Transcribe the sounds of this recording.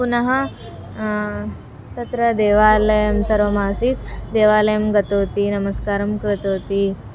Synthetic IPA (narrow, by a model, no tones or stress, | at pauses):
punɐɦɐ | t̪ɐt̪ɾɐd̪eːʋaːlɐjɐmsɐɾʋɐmaːsiːt̪d̪eːʋaːlɐjɐmɡɐt̪oːt̪inɐmɐskaːɾɐmkɾɪt̪oːt̪i